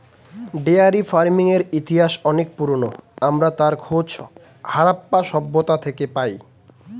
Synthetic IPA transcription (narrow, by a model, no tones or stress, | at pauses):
ɖeaɾifaɾmiŋeɾit̪iɦaʃɔnek̚puɾono̰amɾat̪aɾkʰod͡ʑ | haɽapːaʃɔbːot̪at̪ʰekepaj